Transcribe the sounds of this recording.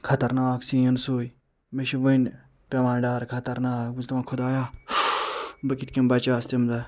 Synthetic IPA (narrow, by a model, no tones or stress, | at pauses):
kʰɐt̪ɐɾnaːksĩːɐnsuːj | meʃibɐn | pʲemaːɖaːɾkʰɐt̪ɐɾnaːkbuzʲt̪ɐmãːkʰʊd̪aːjaː | bɐkit̪ʰkimbɐt͡ʃaːst̪imd̪ɐ